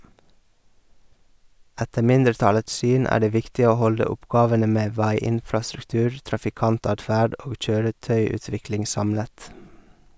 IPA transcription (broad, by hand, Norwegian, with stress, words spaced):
ˈætə ˈmɪndəɾˌtɑləts ˈsyːn ˈæː ˈɖeː ˈʋɪktɪ ˈoː ˈhɔldə ˈʊpˌɡɑːʋənə ˈmeː ˈʋæɪˌɪnfɾɑsɾʉkˌtʉːɾ tɾɑfɪˈkɑnˌtɑːdˌfæːɖ ˈoːɡ ˈc͡çøːɾəˌtœʏʉːˌtʋɪklɪŋ ˈsɑmlət